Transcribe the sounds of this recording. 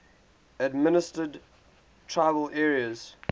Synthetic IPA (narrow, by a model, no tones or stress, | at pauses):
ədmɪnɪstəd | tʰɹaɪvəlʔɛːɹiəz̥